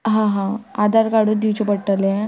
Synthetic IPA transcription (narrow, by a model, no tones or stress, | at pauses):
ɦãɦãad̪aɾkaɽud̪iwt͡ɕɔpəɽʈalẽ